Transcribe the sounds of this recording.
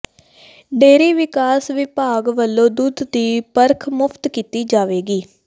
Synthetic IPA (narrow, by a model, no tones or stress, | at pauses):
ɖeːɾiːʋɪkaːsʋɪpaːɡʋəlːõːd̪uːd̪d̪iːpəɾkʰmʊpʰt̪kiːt̪iːd͡ʒaːʋeːɡiː